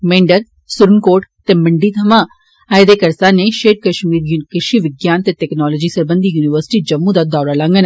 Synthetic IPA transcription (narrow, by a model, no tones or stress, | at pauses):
mẽːɳɖəɾ | sʊɾənkoːʈt̪eːməɳɖiːt̪ʰəmãː | əːjd̪eːkəɾsaːneːʃeːʈ̚kəʃmiːɾjukəʃiːʋɪɡjaːnt̪eːʈɛːknɔːlɔːd͡ʒiːsəɾbə̃nd̪iːjuːnɪʋəɾsɪ̥ʈiːd͡ʒəmːũːd̪aːd̪ɔːɾaːlãŋɡən